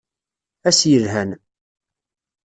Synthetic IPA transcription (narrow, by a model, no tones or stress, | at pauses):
æsjəlɦæn